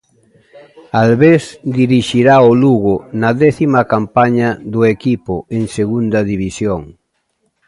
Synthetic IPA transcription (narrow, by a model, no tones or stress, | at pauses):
alβesd̪iɾiʃiɾaʊluɣʊnɐðɛθimɐkampaɲɐðʊekipʊeŋseɣund̪ɐðiβisjoŋ